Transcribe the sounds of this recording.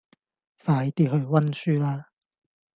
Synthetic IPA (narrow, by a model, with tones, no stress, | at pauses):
faː˨˧jt̪iː˧t̚hɵ˧ɥwɐ˥nsyː˥laː˥